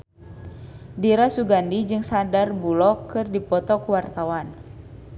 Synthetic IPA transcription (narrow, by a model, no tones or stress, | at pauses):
diɾasuɡandid͡ʒɨŋsadarbulɔkɨrdipɔt̪ɔkuwart̪awan